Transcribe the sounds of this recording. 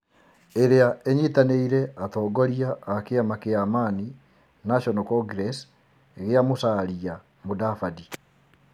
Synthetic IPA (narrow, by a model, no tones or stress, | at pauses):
eɾeaʔeɲetaneiɾɛʔatɔːɡɔɾiaʔːkeamakeamani | naʃɔnɔkɔɡɾɛs | eɣeamosaːɾia | modafadi